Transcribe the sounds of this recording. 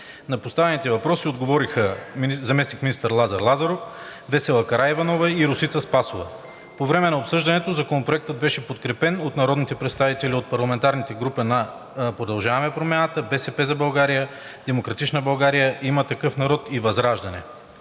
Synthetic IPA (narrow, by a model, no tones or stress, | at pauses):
nɐpost̪avɛnit̪ɛvɐpɾɔsiod̪ɡovɔɾixəzɐmɛsnikminist̪əɾlˠazɐɾlˠazɐɾofvɛsɛlˠəkɐɾaɛvɐnɔvɐiɾʊsit̪səspasʊvə̰ | povɾɛmɛnɐopsɤʒd̪ɐnɛt̪ozɐkonopɾoɛk̚t̪əd̪̚bɛʃɛpot̪kɾɛpɛnot̪nɐɾɔd̪nit̪ɛpɾɛt̪st̪avit̪ɛliot̪̚pɐɾlˠɐmɛnt̪aɾnit̪ɛɡɾupɛnɐ | pɾod̪ɐlˠʒavɐmɛpɾomʲjanət̪əbɛsɛpɛzɐbɐlˠɡaɾijə | d̪̥ɛmokɾɐt̪it͡ʃnəbɐlˠɡaɾijəʔimɐt̪ɐkɤfnɐɾɔt̪ivɐzɾaʒd̪ɐnɛ̰